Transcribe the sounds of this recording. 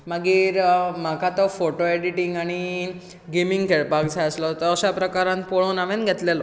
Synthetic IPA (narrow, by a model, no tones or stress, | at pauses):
maɡiːɾmakat̪ɔfoʈoeɽiʈiŋɡaɽ̃i | ɡemiŋɡkeɭpakd͡zʱaəslot̪ɔːɕapɾəkaɾãnpoɭoːnaʋenɡʱet̪lelo